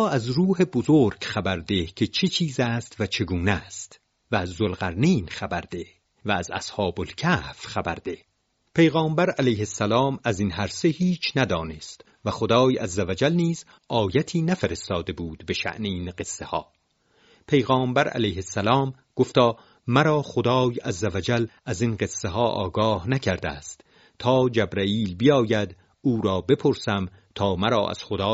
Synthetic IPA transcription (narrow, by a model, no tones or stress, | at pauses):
æzɾuːhe̞bozoːɾɡχæbæɾd̪e̞cʰe̞t͡ʃʰet͡ʃʰiːzæːst̪væt͡ʃʰe̞ɡuːnæst̪ | væːzːolɣæɾniːnχæbæɾd̪e | væːzæ̰shɒːbolcʰæːhfχæbæɾd̪e | pʰe̞jɣɒːmbæɾælæjhesːælɒːmæzinɦæɾse̞hiːt͡ʃʰnæd̪ɒːne̞st̪ | væxod̪ɒːjæzːævæd͡ʒælniːz | ʔɒːjæt̪ʰiːnæfeɾe̞st̪ɒːd̪e̞buːd̪be̞ʃæ̰ʔneiːnɢe̞sːehɒ̰ː | pʰe̞jɣɑːmbæɾæ̰læjhesːælɒːm | ɡ̥oft̪ɒː | mæɾɒːχod̪ɒːjæzːævæd͡ʒælæzinɢe̞sːeɦɒːʔɒ̰ːɡɒːhnæcʰæɾd̪æ̰ːst̪ | t̪ʰɒːd͡ʒæbɾæiːlbijɒːjæd̪ | uːɾɒːbe̞pʰo̞ɾsæm | t̪ʰɒːmæɾɒ̰ːʔæ̰z̥χod̪ɒː